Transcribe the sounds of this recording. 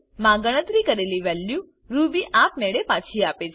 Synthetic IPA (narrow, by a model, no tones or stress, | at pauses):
mãɡəɽ̃ət̪ɾikəɾeliʋɛlju | ɾubiʔap̚meɭepãt͡ʃʰiapet͡ʃʰ